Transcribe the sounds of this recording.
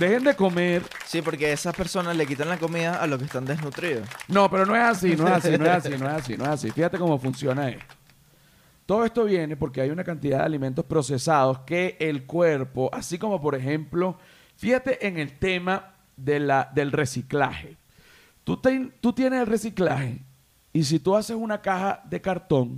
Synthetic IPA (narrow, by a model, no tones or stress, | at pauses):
d̪e̞xe̞nd̪e̞ko̞me̞ɾsipo̞ɾkeesaspeɾso̞naslek̬it̪aŋlako̞miðaʔaloskest̪and̪eznut̪ɾiðosno̞pe̞ɾo̞no̞esasino̞esasinoesasino̞esas̬ḭno̞esasḭfihat̪e̞komo̞funsjo̞naḛst̪o̥ | t̪o̞ðoe̞st̪o̞βje̞ne̞po̞ɾkeajunakant̪iðaðea̰limẽnt̪̬o̞spɾo̞se̞saðo̞ske̞ʔelkwe̞ɾpo̞ʔasiko̞mo̞po̞ɾe̞xe̞mplo̞ | fihat̪e̞ʔeŋe̞lt̪e̞ma | ðelaðe̞lre̞sikla̰xe̞ | t̪ut̪eŋt̪ut̪je̞neselresiklaxe̞̰ | is̬it̪uase̞sunakaxaðe̞kaɾt̪o̞ŋ